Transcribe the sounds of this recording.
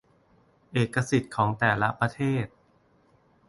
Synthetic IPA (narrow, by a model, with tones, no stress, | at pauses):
ʔeː˨˩kːa˧si˨˩t̪̚kʰɔː˩˦ŋt̪ɛː˨˩la˦˥pɾa˧t̪ʰeː˥˩t̪̚